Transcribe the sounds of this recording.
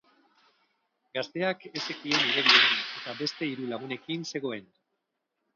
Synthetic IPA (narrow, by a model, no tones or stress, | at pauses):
ɡast̪e̞ake̞sekieniðeβieet̪abe̞st̪e̞iɾulaɣ̞une̞kinse̞ɣ̞o̞e̞n